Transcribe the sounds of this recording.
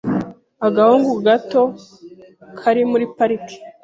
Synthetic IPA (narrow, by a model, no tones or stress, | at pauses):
aɡahuŋɡuɡato̞ | kʰaɾimuɾipaɾiki̥